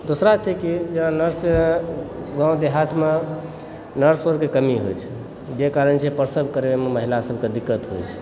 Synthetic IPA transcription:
d̪osɾat͡ʃʰɛkid͡ʒenãnəɾs | ɡãõd̪eɦaʈme | nəɾsoɾkekəmiɦo̰jt͡ʃʰɛ̥ | d͡ʒekaɾənt͡ʃʰɛpəɾsəbʱkəɾememəɦilasəb̚ʱked̪ikːət̪ɦo̰jt͡ʃʰɛ̥

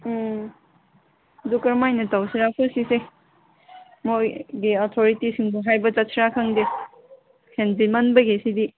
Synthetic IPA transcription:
dukɐɾmajnɐtawsiɾapʰosise | mojɡiɔtʰoɾitisiŋbuɦajbɐt͡ʃat̚siɾakʰaŋde | hendimanbɐɡesidi

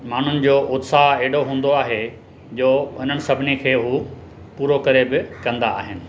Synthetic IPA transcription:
maːn̤ʊnɪ̆d͡ʑoːʔʊd̪saɦeːɪɽoɦũːn̆d̪oaːɦe | d͡ʑoːʊn̤ənɪ̆sɐbʱɪnikʰeːɦuː | puːɾokɐɾebɪkɐ̃nd̪aːɦɪnɪ̆

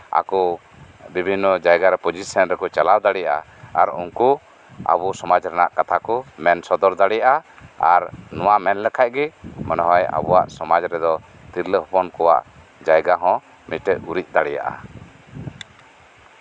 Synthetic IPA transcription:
a̰kɔ | bibʱinːɔd͡ʒajɡaɾɛpɔd͡ʒisɔnɾɛkɔt͡ʃalawd̪aɽɛjaʔa̰aɾṵŋku | a̰busɔmad͡ʒɾɛnaʔkat̪ʰakɔmɛnsɔd̪ɔɾd̪aɽɛjaʔaaɾnɔwamɛnlɛkʰac̚ɡɛmɔnɔɦɔja̰bɔwaʔsɔmad͡ʒɾɛd̪ɔ | t̪iɾləɦɔpɔnkɔwa̰ʔ | d͡ʒajɡaɦɔ̃ | miʈɛt̪uɾic̚ˀd̪aɽɛja̰ʔa̰

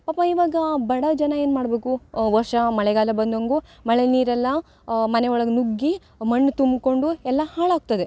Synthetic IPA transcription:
paːpɐiːʋaːɡɐbɐɽɐd͡ʒɐnɐe̞ːnmaːɽbe̞ːkuʋɐɾʂɐmɐɭɛɡaːlɐbɐnd̪oŋɡumɐɭeniːɾɛlːɐ | mɐneɔɭɐɡnuɡːi | mɐɳːt̪umbko̞ɳɖuɛlːɐhaːɭaːɡ̚t̪ɐd̪e

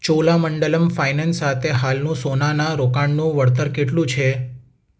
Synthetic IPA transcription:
t͡ʃolaməɳɖələmfajnansat̪ʰeɦalnũsonanaɾokaɳnũʋəɽt̪̬əɾkeʈlũt͡ʃʰe

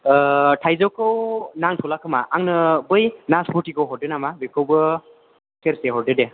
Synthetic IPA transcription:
tʰajzɔwkʰɯwnaŋtʰulakʰɯmaʔaŋnɯbɯjnaspʰɔtikʰɯwɦɔɾdɯnamabekʰɯwbɯ | sʰeɾseɦɔɾdɯde

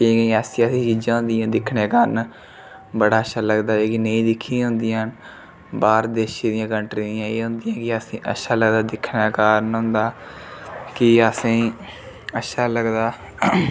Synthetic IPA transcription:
kikĩaːsiəsĩːt͡ʃiːd͡ʒãːɦʊ̃nd̪ijãːd̪ɪkʰɳeːkaːɾn | bəɽaːəʃʰaːləɡd̪aːeːkinəĩːd̪ɪkʰːĩːɦʊ̃ːnd̪ijãːn | baːɾd̪eːʃiːd̪ɪjãːkəɳʈɾĩːd̪ɪjãːeːɦʊ̃nd̪ijãːkɪəsĩːʔə̰ʃʰaːləɡd̪aːd̪ɪkʰnaːkaːɾnɦʊ̃ːnd̪aː | kɪəsĩː | əʃʰaːləɡd̪aː

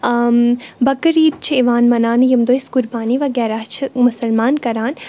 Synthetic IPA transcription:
bɐkɾiːt̪̚t͡ʃʰiiʋaːnmɐnaːnjɐmd̪oːiskʊɾbaːniʋɐɡɛːɾaːt͡ʃʰimʊsɐlmaːnkɐɾaːn

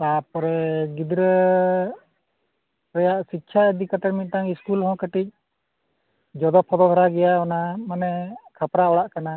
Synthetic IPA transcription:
pap̚ɾɛɡid̪ɾə | ɾɛjaʔsikt͡ʃʰaəd̪ikət̪ɛʈmit̪̚ˀt̪aŋiskulɦɔ̃kəʈic̚ | d͡ʒɔd̪ɔpʰɔd̪ɔd̪ʱɔɾaɡɛjaɔnamanɛkʰapɾaɔɽaʔkana

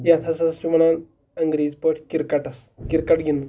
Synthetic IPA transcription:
jat̪ʰasɐst͡ʃuməɽ̃an | əŋɡɾiːd͡zpəʈʰkiɾkaʈɐs | kiɾkaʈɡʱind̪u

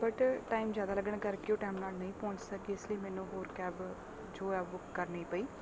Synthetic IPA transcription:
bəʈʈaːimzjaːd̪aːləɡəɳ̃kəɾkɪoːʈɛːmnaːlnəĩːpõːɲt͡ʃsəkɡiːɪsləiːmɛːnũːɦoːɾkɛːb | d͡ʒoːɛːʋʊkkːəɾniːpəiː

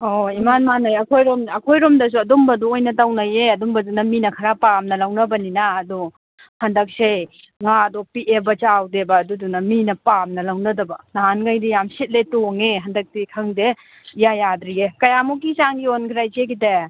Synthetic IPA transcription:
oimanmanajɐkʰojɾomɐkʰojɾomdɐs̬uɐdumbɐduojnɐtawnɐjeɐdumbɐdunɐminɐkʰɐɾapamnɐlawnɐbɐninaːdu | hɐndɐk̚se | ŋadopiʔebɐt͡ʃawdebɐːdudunɐminɐpamnɐlawnɐdɐbɐnaɦanɡajdijamsit̚letoŋeɦɐndɐk̚tikʰɐŋde | ijajadɾiekɐjamuk̬ːisaŋɡionkʰiɾajzekite

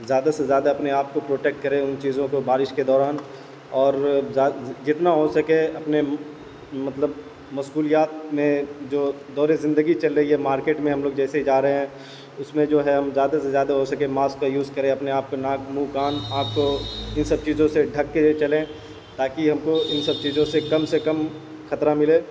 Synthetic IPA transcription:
zjaːd̪asezjaːd̪aɐpneaːp̚kopɾoːʈeːk̚ʈ̚kɐɾẽʊnt͡ʃiːzõkobaːɾɪʃked̪ɔːɾaːn | ɔːɾː | d͡ʒɪt̪naɦosɐkeɐpne | mɐt̪ləb | mɐsuːlijaːt̪̚mẽd͡ʒoː | d̪ɔːɾezɪ̃nd̪əɡit͡ʃɐlɾɐɦiɦɛmaːɾkeːʈmẽɦɐmloːɡd͡ʒɛːseid͡ʒaːɾɐɦeɦɛ̃ː | ʊsmẽd͡ʒoːɦɛɦɐmzjaːd̪asezjaːd̪aɦosɐkemaːskkajuːzkɐɾẽɐpneaːp̚konãːkmũkaːnãːkʰkoɪnsɐb̚t͡ʃiːzõseɖʱɐkːet͡ʃɐlẽː | t̪aːkiɦɐmkoɪnsɐb̚t͡ʃiːzõsekɐmsekɐm | kʰɐt̪ɾamɪleː

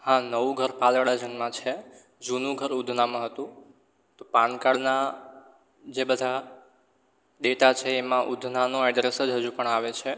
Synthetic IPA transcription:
hãnəʋũɡʱəɾpalɽad͡ʒənmãt͡ʃʰe | d͡ʒunũɡʱəɾud̪ʱnamãɦət̪ũ | t̪opãnkaɽna | d͡ʒebəd̪ʱa | ɗ̪et̪at͡ʃʰeːmãʔud̪ʱnanoɛɖɾesəd͡ʒɦəd͡ʒũpəɳaʋet͡ʃʰe

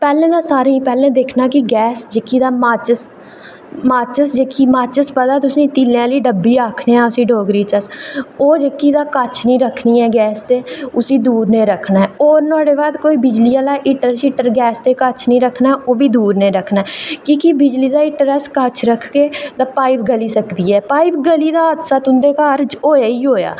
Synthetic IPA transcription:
pɛːlẽːd̪aːsaːɾeipɛːlẽːd̪eːkʰnaːkɪɡɛːsd͡ʒekiːd̪aːmaːt͡ʃəs | maːt͡ʃəsd͡ʒeːkiːmaːt͡ʃəspəd̪aːt̪ʊsnĩːt̪iːlãːliːɖəbːiːaːkʰneːãːʊsĩːɖoːɡɾiːt͡ʃəsoːd͡ʒekːiːd̪aːkət͡ʃʰnĩːɾəkʰniːɛːɡɛːst̪eːʊsiːd̪uːɾnẽːɾəkʰnaːɦɛːoːɾnɔːɽeːbaːd̪koːiːbɪd͡ʒliːaːlaːʔɪʈəɾsiʈəɾɡɛːst̪eːkət͡ʃʰnĩːɾəkʰnaːɦɛːʔoːʋiːd̪uːɾnẽːɾəkʰnaːɦɛːkĩːkibɪd͡ʒliːd̪aːɪʈəɾɛskət͡ʃʰɾəkʰkːeːd̪aːpaːipɡəliːsəkd̪iːɛːpaːipʰɡəliːd̪aːəd̪saːt̪ʊnd̪eːkaːɾd͡ʒoːjaːiːɦoːja̰ː

